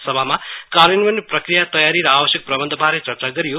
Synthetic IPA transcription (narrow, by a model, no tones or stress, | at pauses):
sʌbʱamakaɾjʌnʋʌnːprʌkrijat̪ʌjaɾiɾʌabʌsjʌk̚prʌbʌnd̪ʱʌbʱaɾet͡sʌrt͡saɡʌɾijo